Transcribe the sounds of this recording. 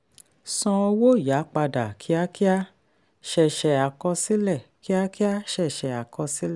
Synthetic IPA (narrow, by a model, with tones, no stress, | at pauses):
sɔ̃˧ɔ˧wo˦˨ja˨˦k͡pa˧da˨kʰi˦a˦ki˦a˦ | ʃɛ˧˨ʃɛ˧a˨kɔ˧si˦lɛ˦˨ki˦a˦ki˦a˦ʃɛ˦˨ʃɛ˧˨a˨kɔ˧si˦lɛ˦˨˦